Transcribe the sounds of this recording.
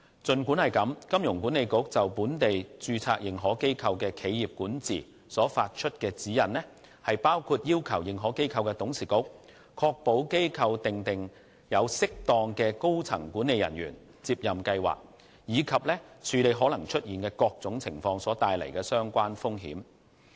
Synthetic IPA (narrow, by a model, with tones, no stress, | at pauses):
t͡sɵ˨nkuː˨˥nhɐ˨˩jkɐ˨˥mkɐ˥mjʊ˨˩ŋku˨˥ne˨˧jkʊ˨˥k̚t͡sɐ˨wpuː˨˥nt̪e˨jt͡ʃyː˧t͡sʰa̰ː˧k̚jɪ˨˧ŋɦɔː˨˥ke˥jkʰɐ˧wkɛː˧kʰe˨˧jjiː˨p̚kuː˨˥nt͡sḭː˨˩ | sɔː˨˥faː˧t̚t͡ʃʰɵ˥t̚kɛː˧t͡siː˨˥jɐ˨˩nlɛ˥ | hɐ˨jpaː˥wkʰuː˧t̚jiː˥wkʰɐ˨˩wjɪ˨ŋɦɔː˨˥ke˥jkʰɐ˧wkɛː˧t̪ʊ˨˥ŋsiː˨kʊ˥k̚ | kʰɔː˧k̚po˨˥wke˥jkʰɐ˧wt̪ɪ˨ŋt̪ɪ˨˩ŋ | jɐ˨˧wsɪ˥k̚t̪ɔː˧ŋkɛː˧ko˥wt͡sʰɐ̰˨˩ŋkuː˨˥nːe˨˧jɐ˨˩njy̰ː˨˩n | t͡siː˧p̚jɐ˨mkɐ˧jwa̰ː˨k̚ | jiː˨˧kʰɐ˨p̚lɛː˥t͡ʃʰyː˨˧le˨˧jɦɔː˨˥lɐ˨˩ŋt͡ʃʰɵ˥t̚jiː˨nkɛː˧kɔː˧k̚t͡sʊ˨˥ŋt͡sʰɪ˨˩ŋfɔː˧ŋsɔː˨˥t̪aː˧jlɐ˨˩jkɛː˧sœː˥ŋkʷaː˥nfʊ˥ŋɦḭː˨˥m